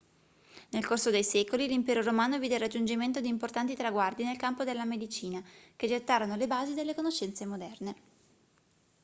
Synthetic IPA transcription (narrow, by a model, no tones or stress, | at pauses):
nelkorsod̪ejsɛːkolilimpɛːɾoɾomaːnoviːd̪erːad͡ʒːund͡ʒiment̪od̪iːmport̪ant̪it̪ɾaɡward̪inelkampod̪elːamed̪it͡ʃiːnaked͡ʒet̪ːaːɾonolebaːzid̪elːekonoʃːɛnt̪semod̪ɛrne